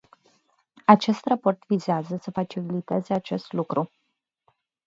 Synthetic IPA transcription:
at͡ʃe̞st̪rapo̞rt̪vizeazəsəfat͡ʃililit̪e̞zeat͡ʃe̞st̪lukɾu

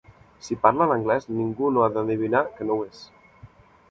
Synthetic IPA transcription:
sipaɾlanəŋɡlɛzniŋɡunoaðəaðiβ̞inakənowes

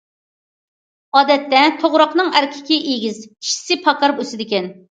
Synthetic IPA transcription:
ɑːd̪ɛt̪ːɛt̪ʰoʁɾɑqnɨŋæɾkʲʰɪ̥kʲiʔeɡʲizkʲʰi̥ʃi̥sɪpʰɑkɑɾpøsɪd̪ɪkʲɛn

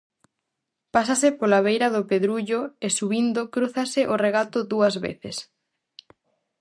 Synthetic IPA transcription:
pasasɪpolaβejɾɐðʊpeðɾuʎʊesuβind̪ʊkɾuθɐsɪʔoreɣat̪ʊðuɐzβḛθɪs

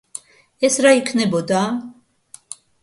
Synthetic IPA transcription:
ɛsɾaikʰnɛbɔd̪a

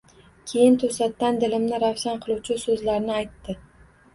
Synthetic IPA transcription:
kʲʰe̞jɪnt̪ʰɵsat̪ːand̪ɪlɪmnɪɾafsanqʰɨlˠuwt͡ʃʰɪsɵzlaɾnɪajt̪ːɪ

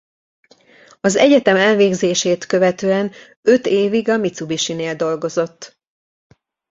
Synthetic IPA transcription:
ɒzɛɟɛt̪ɛmɛlveːɡzeːʃeːt̪kø̞vɛt̪øːɛn | ø̞t̪eːviɡɒmit̪subiʃineːld̪o̞lɡo̞zo̞t̪ː

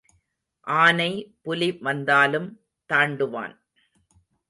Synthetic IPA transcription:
ʔaːnɐɪpʊlɪʋɐnd̪aːlɯm | t̪aːɳɖɯʋa̰ːn

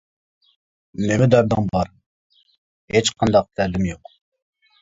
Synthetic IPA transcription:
nemɛd̪æɾd̪ɑŋbɑɾ | het͡ʃqʰɑnd̪ɑq̚t̪ʰæɾlɪmjoq

